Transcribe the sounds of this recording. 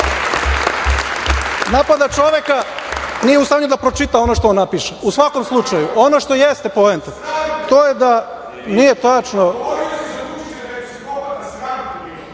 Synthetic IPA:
napad̪at͡ʃo̞ʋekanijeust̪aɲud̪apɾo̞t͡ʃit̪ao̞noʃt̪oonːapiʃeusʋako̞mslˠut͡ʃajuʔo̞noʃt̪o̞jest̪e̞po̞ent̪ot̪oːjed̪a | nije̞t̪at͡ʂno

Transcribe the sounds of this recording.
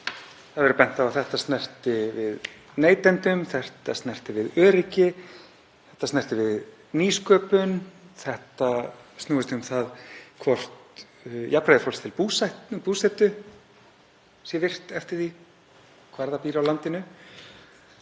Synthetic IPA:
θaðvɛɾʏpɛn̥t̪aawθɛht̪ast̪nɛr̥t̪ɪvɪð | neːjt̪ɛnt̪ʏmθɛr̥t̪ast̪nɛr̥t̪ɪvɪðœːɾɪcɪ | θɛ̥ht̪ːastnɛr̥t̪ɪvɪð | niːskœːpʏnθɛht̪asnuːɪst̪ɪʏmθaðkʰvɔr̥t̪ | japɾajðɪfɔlst̪ʰɪlpuːsatpuːsɛt̪ʏ | sjɛvɪr̥t̪ɛft̪ɪɾ̥θi | kʰvaɾðapiːɾɪawlant̪ɪnʏ

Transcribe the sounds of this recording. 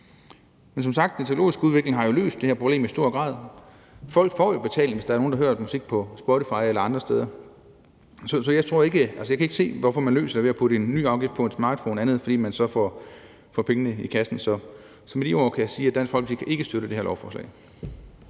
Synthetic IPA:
mens̬ɒ̽msɑ̈ɡ̥̚d̥ent͡sʰe̝o̝lo̝̰ːisɡ̥əuðˠʋe̝ɡ̥le̝ŋɦɑ̈jo̝lø̰ːsd̥e̝hæɐpʰʁob̥e̝̰ːmisd̥o̝ɐ̰ɡ̥ʁɑ̰̈ːð̞̰ˠ | fɒ̽l̰ɡ̥fɒ̰ːjo̝b̥e̝t͡sʰɛ̰ːlŋʋesd̥ɑ̈æɐno̝ːn̩d̥ɑɦø̰ɐmusiɡ̥̚pʰɒ̽sb̥ɒɾifɑ̈ɪelɐɑ̈nd̥ʁɐsd̥eð̞ˠɐ | sɒ̽sɒ̽jɑ̈ɪt͡sʰʁo̝ɐe̝ɡ̥əʔælsəjɑ̈kʰæe̝ɡ̥se̝̰ːʋɒfɒ̽mænlø̰ːsɐd̥eʋe̝æpʰuɾəe̝nːy̰ːɑ̈ʊɡ̥ifd̥̚pʰɒ̽e̝nsmɑ̰̈ːd̥fɔ̰ːnænð̩ˠfɒd̥ḭːmænsɒ̽fɒ | fɒpʰeŋənəikʰæsn̩sɒ̽ | sɒ̽med̥io̰ːkʰæjɑsiːæd̥ænfɒ̽l̰ɡ̥d̥ikʰæʔe̝ɡ̥əsd̥øɾəd̥e̝heɐlɒʊfɒːslɛ̰ɪ

